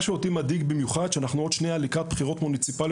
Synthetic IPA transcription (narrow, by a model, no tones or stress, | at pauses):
ʃeot̪imad̪iɡbimjuχad̪ʃeanaχnuo̞d̪ʃnejalikʁat̪̚b̥χiʁo̞t̪munit͡sipal